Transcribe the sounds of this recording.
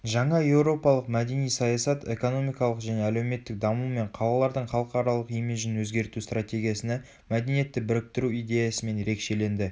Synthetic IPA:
ʒɑɴɑje̞wɾo̞pɑlˠəqmæd̪e̞nijsɑjɑsɑt̪e̞̰ko̞no̞mijkɑlˠəqʒæne̞æle̞wme̞t̪ːɪk̚d̪ɑmume̞ɴqʰɑlˠɑlˠɑɾd̪əɴχɑlˠəqɑɾɑlˠəqimɪʒɪnwɵzɡʲe̞ɾt̪ust̪rat̪ʲe̞ɡʲijasəne | mæd̪e̞nije̞t̪ːɪbɪɾɪk̚t̪ɪɾuijd̪ʲe̞jɑsəme̞nje̞ɾe̞kʃe̞le̞nd̪ɪ

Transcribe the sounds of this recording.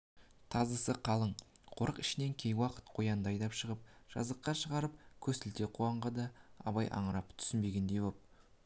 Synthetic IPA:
t̪ʰɑzəsəqʰɑlˠəɴqʰo̞ɾəqɪʃɪne̞ŋkʲʰejwɑqə̥t̪qʰo̞jɑnd̪ɑjd̪ɑpʃəʁəp̚ʒ̥ɑ̰zəqːɑʃəʁɑɾəp̚kʲʰɵsɪlt̪e̞qʰuɑɴʁɑd̪ɑɑ̰βɑjʔɑ̰ɴəɾɑpt̪ʰʏ̥sɪnbe̞ɡʲe̞nd̪e̞jbop̚

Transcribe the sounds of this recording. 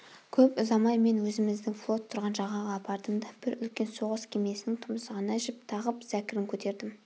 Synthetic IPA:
kʲʰɵpʊzɑmɑjme̞nwɵzɪmɪzd̪ɪŋflˠo̞t̪ʰːʊɾʁɑnʒɑʁɑʁɑːpɑɾd̪əmd̪ɑb̥ɪɾʏlkʲe̞nso̞ʁəskʲʰeme̞sɪnɪŋt̪ʰʊməsʁɑnɑʒɪp̚t̪ʰɑʁəpzækʲɪɾɪŋkʲʰɵt̪e̞ɾd̪ɪm

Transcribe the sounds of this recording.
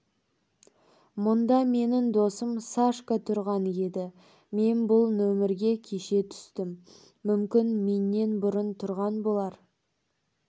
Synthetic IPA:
mʊnd̪ɑme̞nɪŋd̪o̞səmsaʃkət̪ʰʊɾʁɑne̞d̪ɪ | me̞nbʊlˠnɵmɪɾɡʲe̞kʲʰe̞ʃe̞t̪ʰʏ̥st̪ɪmː | ʏmkʲɪnme̞nːe̞nbʊɾənt̪ʰʊɾʁɑnbo̞lˠɑɾ

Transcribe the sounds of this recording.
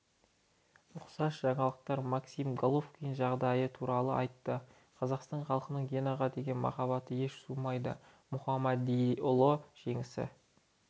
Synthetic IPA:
ʊqsɑʃʒɑɴɑlˠəq̚t̪ɑɾmaksijmɡolˠofkʲijnʒɑʁd̪ɑjət̪ʰuɾɑlˠəɑjt̪ːə | qʰɑzɑqst̪ɑnχɑlˠqənəɴɡʲenoʁɑd̪e̞ɡʲe̞nmɑ̰χɑbɑt̪əje̞ʃsumɑjd̪ə̰ | mʊχɑmɑd̪ijʊlˠoʒ̥e̞ŋɪsɪ̰

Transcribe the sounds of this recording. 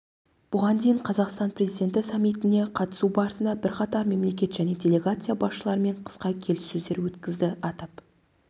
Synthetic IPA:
b̥ʊʁɑnd̪ejɴqʰɑzɑqst̪ɑnpʰrʲe̞zijd̪ʲe̞nt̪ɪsɑmːijt̪ɪne̞qʰɑt̪ə̥subɑɾəsənd̪ɑbɪɾqʰɑt̪ɑɾme̞mle̞kʲe̞t̪ʒæne̞dʲe̞lʲe̞ɡat̪sɨjabɑsʃəlˠɑɾəme̞ɴqʰə̥sqɑkʲʰe̞lɪsːɵzd̪e̞ɾwɵt̪kʲɪzd̪ɪʔɑt̪ɑp

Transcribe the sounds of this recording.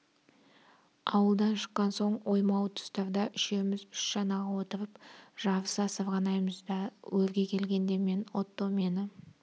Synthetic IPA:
ɑwəlˠd̪ɑnʃə̥qːɑnso̞ɴwo̞jmɑwt̪ʰʊ̥st̪ɑɾd̪ɑʔʏʃe̞mɪzʏʃʒɑnɑʁɑwo̞t̪əɾəpʒ̥ɑvəsɑsəvʁɑnɑjməzd̪ɑwɵɾɡʲe̞kʲʰe̞lɡʲe̞nd̪e̞me̞nwot̪ːome̞nɪ

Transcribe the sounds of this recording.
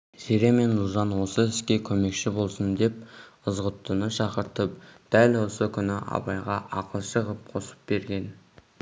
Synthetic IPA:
zeɾe̞me̞nʊlˠʒɑnwo̞səɪskʲe̞kʲʰɵme̞kʃɪbo̞lˠsənd̪e̞p̚əzʁət̪ːənəʃɑqəɾt̪əp̚d̪̥ælwo̞səkʲʰʏnɪʔɑ̰bɑjʁɑʔɑqəlˠʃəʁəp̚qʰo̞sə̥p̚be̞ɾɡʲe̞n

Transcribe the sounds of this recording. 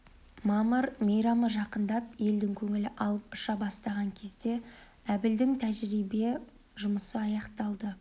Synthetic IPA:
mɑməɾmejɾɑməʒɑqənd̪ɑp̚je̞ld̪ɪŋkʲʰɵŋɪlɪʔɑlˠəp̚ʊʃɑbɑst̪ɑʁɑŋkʲʰe̞zd̪e̞ | æbɪld̪ɪŋt̪ʰæʒɾibe | ʒʊməsəɑjɑqt̪ɑlˠd̪ə

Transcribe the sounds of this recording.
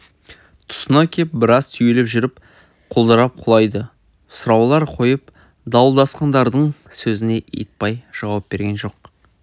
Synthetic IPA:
t̪ʰʊ̥sənɑkʲʰep̚bɪɾɑzt̪ʰʏjelepʒʏɾɪp | qʰolˠd̪əɾɑp̚qʰʊlˠɑjd̪ə | sʊɾɑwlˠɑɾqʰo̞jəp | d̪ɑwlˠd̪ɑsqɑnd̪ɑɾd̪əɴsɵzɪne̞ʔḛt̪̚pɑjʒ̥ɑwɑp̚be̞ɾɡʲe̞nʒo̞q̚

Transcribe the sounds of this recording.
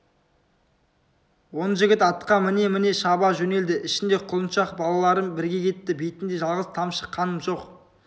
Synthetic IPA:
wo̞nəʒɪɡʲɪt̪ɑt̪qɑmɪne̞mɪne̞ʃɑbɑʒɵne̞ld̪ɪʔɪʃɪnd̪e̞qʰʊlˠənʃɑqbɑlˠɑlˠɑɾənbɪɾɡʲe̞kʲʰe̞t̪ːɪbejt̪ɪnd̪e̞ʒɑlˠʁəz̥t̪ʰɑmʃə̥qʰːɑnəmʒo̞q

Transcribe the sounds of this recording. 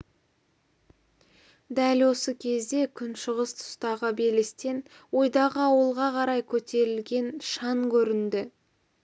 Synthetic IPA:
d̪ælwo̞səkʲʰe̞zd̪e̞kʲʰʏnʃəʁəst̪ʰʊ̥st̪ɑʁəbe̞lɪst̪e̞n | wo̞jd̪ɑʁəɑwəlˠʁɑqʰɑɾɑjkʲʰɵt̪e̞ɾɪlɡʲe̞nʃɑɴkʲʰɵɾɪnd̪ɪ

